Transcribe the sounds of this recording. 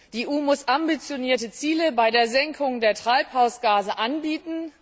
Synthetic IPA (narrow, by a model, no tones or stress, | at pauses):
d̥iːʔuːmʊsʔambit͡sjoniːɐtət͡siːləbaɪdeːɐzɛŋkʰʊŋdeːɐtʁ̥aɪphaʊsɡ̥aːzəʔanbiːtn̩